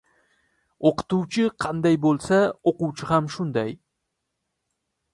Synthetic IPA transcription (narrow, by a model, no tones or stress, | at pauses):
oqɨ̥t̪uwt͡ʃʰɪqʰɑnd̪ajbolˠsaoqʊwt͡ʃʰɪhamʃʊnd̪aj